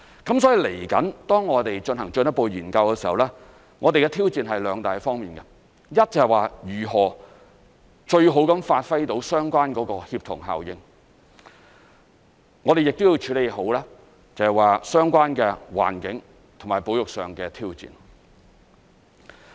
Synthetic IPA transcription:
kɐ˨˥msɔː˨˥jiː˨˧le˨˩jkɐ˨˥nt̪ɔː˥ŋːɔː˨˧t̪e˨jt͡ʃɵ˧nhɐ˨˩ŋt͡ʃnjɐ˥t̚po˨˧wjyː˨˩nkɐ˧wkɛ˧si˨˩hɐ˨wlɛː˥ | ŋɔː˨˧t̪e˨jkɛ˧t̪ʰiː˥wt͡siː˨˧nɦɐ˨jlœː˨˧˥ŋt̪aː˨˩jfɔː˥ŋmiː˨˩nkɐ˧ | jɐ˥t̚t͡sɐ˨jwaː˨jyː˨˩ɦɔː˨˩ | t͡ʃɵ˧ɥɦo˨˥wkɐ˨˥mfaː˧t̚fɐ˥jt̪o˨˥wsœː˥ŋkʷaː˥nkɔː˨˧˥kɔː˧hiː˧p̚t̪ʰʊ˨˩ŋɦa̰ː˨wjɪ˧ŋ | ŋɔː˨˧ɾe˨jɪ˨k̚t̪wjiː˧wt͡ʃʰyː˨˥le˨jho˨˥wlɛː˥ | t͡sɐ˨hɛ˨˩waː˨sœː˥ŋkʷaː˥nkɛː˧wa̰ː˨˩nkɪ˨˥ŋ | t̪ʰŋmaː˨jpo˨˥wjʊ˨k̚sœː˨ŋkɛː˧t̪ʰiː˥wt͡sḭː˨˩n

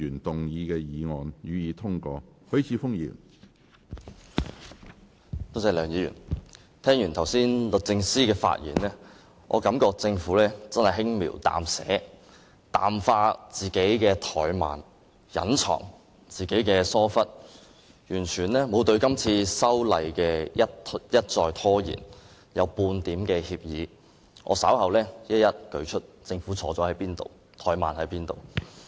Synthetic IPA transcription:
yː˨˩nt̪ʊ˨ŋjiː˨˧kɛː˧jiː˨˧ŋɔː˨˧njyː˨jiː˨˧t̪ʰʊ˥ŋkɔː˧ | hɵ˨˥ɥt͡sʰiː˨˧fʊ˥ŋjḭː˨˩n | t̪o˥t͡sɛ˨˧jlœː˨ŋjiː˨˧jy̰˨˩n | t̪ʰɛː˥ŋjyː˨˩nt̪ʰwsiː˥nlɵ˨k̚t͡sɪ˧ŋsiː˥kɛː˧fa̰˧t̚jḭː˨˩nlɛː˥ | ʔɔ̰ː˨˧kɐ˨˧˥mkɔː˧k̚t͡sɪ˧ŋfu˨˥lɛː˥t͡sɐ˥nhɐ˨jɦɪ˥ŋmḭː˨˩wt̪a̰ː˨msɛ̰ː˨˥ | t̪a̰ː˨mfaː˧t͡siː˨ke˨˥jkɛː˧t̪ʰɔː˨˩jma̰ː˨˩n | jɐ̰˨˥nt͡sʰɔ̰ː˨˩ŋ | t͡siː˨ke˨˥jkɛː˧sɔː˥fɐ˥t̚ | jyː˨˩nt͡ʃʰyː˨˩nlɛː˥mo˨˧wt̪ɵ˧ɥkɐ˥mt͡sʰiː˧sɐ˥wlɐ˨˧jkɛː˧jɐ˥tjɐ˥t̚t͡sɔː˧jt̪ʰɔː˥jḭː˨˩n | jɐ˨˧wpuː˧nt̪iː˨˥mkɛː˧hiː˧p̚jiː˨˧ | ŋʔɔ̰˨˧sɐ̰˨˥wɦɐ˨wlɛː˥jɐ˥t̚jɐ˥t̚kɵ˧ɥt͡ʃʰɵ˥t̚t͡sɪ˧ŋfuː˨˥t͡sʰɔː˨˥t͡sɔː˨˥hɐ˨˥jpiː˥nt̪o̰˨w | t̪ʰɔː˨˥jmaː˨nhɐ˨˥jpiː˥nt̪o˨w

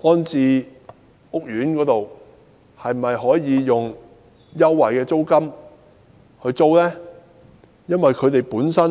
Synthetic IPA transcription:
ʔɔː˥nt͡siː˨˧ | ʊ˥k̚jyː˨˥nkɔː˨˥t̪o˨w | hɐ˨jm̩˨ɐ˨jhɔː˨˥jiː˨˧jʊ˨ŋ | jɐ˥wːɐ˨˩jkɛː˧t͡so˥wkɐ˥m | hɵ˧ɥt͡so˥wlɛː˥ | jɐ˥nwɐ˨jkʰɵ˨˧t̪e˨jpuː˨˥nsɐ˥n

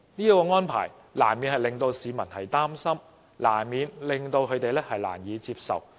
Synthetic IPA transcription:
niː˥kɔː˧ŋɔː˥npʰa̰ː˨˩j | la̰ː˨˩nmi˨˧nhɐ˨jlɪ˨ŋt̪o˧wsiː˨˧mɐ˨˩nhɐ˨jt̪aː˥msɐ˥m | la̰ː˨˩nmiː˨˧nlɪ˨˩ŋt̪o˧wkʰɵ˨˧t̪e˨jlɛː˥hɐ˨jla̰ː˨˩njiː˨˧t͡siː˧p̚sɐ̰˨w

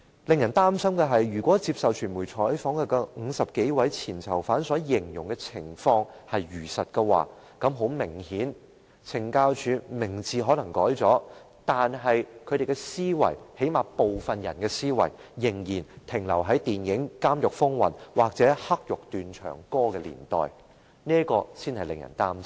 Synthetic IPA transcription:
lɪ˨ŋjɐ˨˩nt̪aː˥msɐ˥mkɛ˧ɦɐ˨jːyː˨˩kʷɔː˨˥t͡siː˧p̚sɐ˨wt͡ʃʰyː˨˩nmuː˨˩jt͡sʰɔː˨˥jfɔː˨˥ŋhɛ˨˧kɔ˧ŋ̩ː˨˧sɐ˨p̚ke˨˥jwɐ˨˥jt͡sʰiː˨˩nt͡sʰɐ˨˩wfaː˨˥nsɔː˨˥jɪ˨˩ŋjʊ˨˩ŋkɛ˧t͡sʰɪ˨˩ŋfɔː˧ŋhɐ˨jɥyː˨˩sɐ˨t̚kɛ˧wa̰ː˨ | kɐ˨˧˥mɦo˨˥wmɪ˨˩ŋhiː˨˥n | t͡sʰɪ˨˩ŋkaː˧wt͡ʃʰyː˨˧mɪ˨˩ŋt͡sʰiː˨ɦɔː˨˥lɐ˨˩ŋkɔː˨˥jt͡sɔː˨˥ | t̪aː˨nɦɐ˨jkʰɵ˨˧ɾe˨jkɛ˧siː˥wɐ̰˨˩jhe˨˥jmaː˨po˨wfɐ˨njɐ̰˨˩nkɛː˧siː˥wɐ̰˨˩jjɪ˨˩ŋjiː˨˩nt̪ʰɪ˨˩ŋlɐ˨˩wɦɐ˨˥jt̪iː˨njɪ˨˥ŋkaː˥mjʊ˨k̚fʊ˥ŋwɐ̰˨˩nwaː˨˩k̚t͡sɛː˨˥hɐ˥k̚jʊ˨k̚t̪yː˨nt͡ʃʰœ̰ː˨˩ŋkɔː˥kɛː˧lḭː˨˩nt̪ɔ̰ː˨j | niː˥kɔː˧siː˥nhɐ˨jlɪ̰˨˩ŋjɐ̰˨˩nt̪aː˥mt͡s

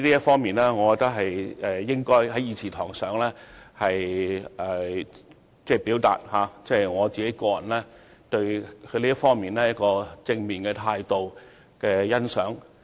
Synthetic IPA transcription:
li˥jɐ˥t̚fɔː˥ŋmiː˨˩nlɛː˥ŋɔː˨˧kɔ˨˧t̪ɐ˥k̚ɦɐ˨jɛ˨jɪ˥ŋkɔː˥jɦɐ˨˦jiː˨˧t͡sʰiː˨˩t̪ʰɔ̰ː˨˩ŋsœː˨˥ŋlɛː˥hɐ˨jɛ˨˩ | t͡sɛː˥˩piː˨˥wt̪a̰ː˨t̚haː˨˧t͡sɛː˥˩˨jŋɔː˨˧t͡siː˨ke˨˥jkɔː˧jɐ̰˨˩nlɛː˥t̪ɵ˧ɥkʰɵ˨˧liː˥jɐ˥tfɔː˥ŋmiː˨nlɛː˥jɐ˥t̚kɔː˧t͡sɪ˧ŋmiː˨˩nkɛː˧t̪ʰaː˧jt̪o˨w | kɛː˧jɐ˥nsœ̰ː˨˥ŋ

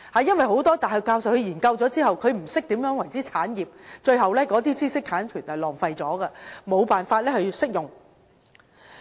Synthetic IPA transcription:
ha˨jɐ˥nwɐ˨jɦo˨˥wt̪ɔː˥t̪aː˨jhɐ˨˩kaː˧wsɐ˨˩whɵ˨˧ɥjiː˨˩nkɐ˧wt͡sɔː˨˥t͡siː˥ɦɐ˨wkʰɵ˨˧ɥm̩˨˩sɪ˥k̚t̪iː˨˥mjœː˨˥ŋwɐ˨˩jt͡siː˥t͡sʰaː˨˥njiː˨p̚t͡ʃɵ˧ɥhɐ˨wlɛː˥kɔː˨˥t̪iː˥t͡siː˥sɪ˥k̪ʰaː˨˥nkʰyː˨˩nɐ˨˩lɔː˨˩ŋfɐ˧jt͡sɔː˨˥ɡɛ˧mo˨˧wpaː˨nfaː˧t̚lɛ˥hɵ˧˨sɪ˥k̚jʊ˨˩ŋ

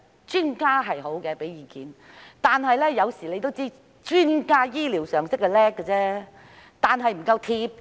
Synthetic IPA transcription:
t͡ʃyː˥nkaː˥ɦɐ˨jɦo˨˥wkɛ˧pe˨˥jiː˨˩kiː˨˥n | t̪aː˨nɦɐ˨jlɛː˥jɐ˨˧wsiː˨˩le˨˧jt̪̬o˥wt͡siː˥ | t͡ʃyː˥nkaː˥jiː˥liː˨˩wsœː˨˩ŋsɪ˥k̚ːɛ˧lɛː˥kːɛ˧t͡sɛː˥ | t̪aː˨˩nɦɐ˨jm̩˨˩kɐ˧wt̪ʰiː˧p̚

